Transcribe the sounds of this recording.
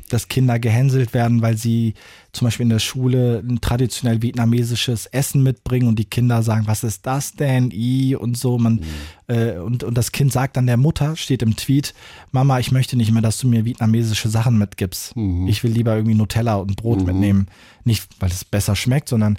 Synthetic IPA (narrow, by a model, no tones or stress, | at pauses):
d̥askʰɪndɐɡəɦɛnzl̩tv̥eːɐdn̩vaɪlziːt͡sʊmbaɪʃpilɪndeːɐʃuːləntʁ̥adit͡sjonɛlviɛtnameːzɪʃəsʔɛsn̩mɪt̚b̥ʁɪŋənʊnt̚d̥iːkʰɪndɐzaːɡŋ̩vasɪst̚d̥asd̥ɛnʔiːʊ̰ntz̥oːmanʔɛːʊntʊnt̚d̥askʰɪntz̥aːk̚td̥andeːɐmʊtʰɐʃteːtɪmtʰv̥iːtmamaɪçmœçtənɪçtmeːɐdasd̥uːmiːɐvietnameːzɪʃəzaχn̩mɪtɡ̥iːpstɪçv̥ɪlːiːbɐɪɐɡŋ̩tv̥iːnotʰɛlaʊnt̚b̥ʁoːtmɪtneːmən | nɪçtvaɪlɛsb̥ɛsɐʃmɛk̚tz̥ɔndɐn